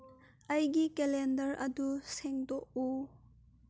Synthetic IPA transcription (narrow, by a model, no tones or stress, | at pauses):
ʔɐjɡikɛlendɐɾʔɐduseŋdɔk̚u